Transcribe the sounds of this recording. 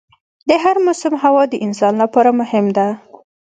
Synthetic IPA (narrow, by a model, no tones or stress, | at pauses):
d̪əɦaɾmʊsʊmɦawɑd̪əʔɪns̬ɑnlapɑɾamʊhɪmd̪a